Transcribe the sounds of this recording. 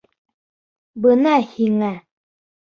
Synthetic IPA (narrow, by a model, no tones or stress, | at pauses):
bənaɕiŋa